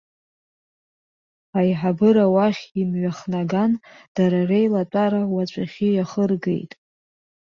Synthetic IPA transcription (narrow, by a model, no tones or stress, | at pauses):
ajħabɨɾawaχʲimɥaχnaɡand̥aɾarejlatʷʼaɾawat͡ʃʷʼaχʲijaχərɡe̞̰jtʼ